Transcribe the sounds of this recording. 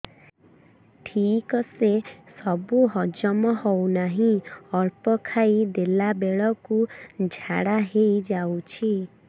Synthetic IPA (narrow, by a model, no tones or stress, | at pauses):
ʈʰikɔsesɔbuɦɔd͡ʒɔmɔhownaɦĩɔɾpɔkʰaid̪elabeɭɔkud͡ʒʱaɽaɦejd͡ʒawt͡ʃʰi